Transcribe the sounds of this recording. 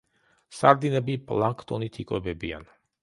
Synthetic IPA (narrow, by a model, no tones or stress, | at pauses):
saɾd̪inɛbipʼlˠaŋkʰt̪ʼɔnit̪ʰikʼwɛbɛbia̰n